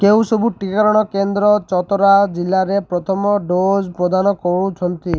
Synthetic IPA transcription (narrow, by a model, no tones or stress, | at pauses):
kew̃sɔbuʈikaɾɔɽ̃ɔkend̪ɾɔt͡ʃɔt̪ɔɾad͡ʒilːaɾepɾɔt̪ʰɔmɔɖod͡ʒpɾɔd̪anɔkɔɽut͡ʃʰɔnt̪i